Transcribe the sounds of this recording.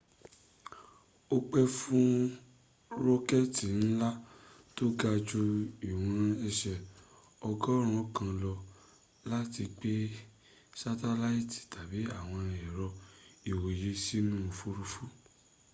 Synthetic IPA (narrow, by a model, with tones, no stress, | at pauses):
o˦k͡pɛ˦fũ˦ | ɾo˦kɛ˦˨ti˨n̩˦la˦ | to˦ɡa˧d͡ʒu˧i˨wũ˧ɾ̃ã˧ɛ˧ʃɛ˨ | ɔ˧ɡɔ˦ɾ̃ũ˦kã˧lɔ˧ | la˦ti˧k͡pe˦ | sa˦ta˧la˦i˦ti̥˨ta˨bi˨˦a˦˨w̃ɔ̃˧ɾ̃ĩ˧ɛ˨ɾɔ˧i˨wo˨je˨˦si˦nũ˦˧fu˧ɾu˧fu˦